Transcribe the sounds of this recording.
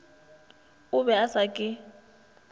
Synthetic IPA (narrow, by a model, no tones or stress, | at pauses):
ʊβɛasakʼɪ